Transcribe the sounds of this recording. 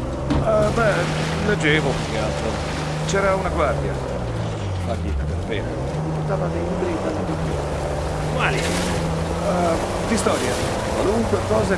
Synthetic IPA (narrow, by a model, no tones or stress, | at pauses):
bɛ | led͡ʒːeːvokokealt̪ɾo | t͡ʃɛːɾaunaɡward̪ja̰ | maɡ̪ḭːt̪apeɾbḛːne | d̪ipoɾt̪aːvad̪ejliːbɾivalːad̪it̪i | a̰ | mali | d̪ist̪ɔːɾja | kwaluŋkwekɔːze